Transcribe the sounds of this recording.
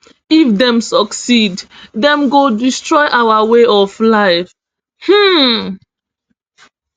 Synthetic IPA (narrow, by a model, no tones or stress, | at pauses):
ifdɛ̃msɔksiddɛ̃mɡodistɹɔɪʔawaweʔɔflaɪf | hm̩